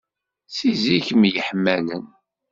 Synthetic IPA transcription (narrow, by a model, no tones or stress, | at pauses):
siziçəmjəħmːælən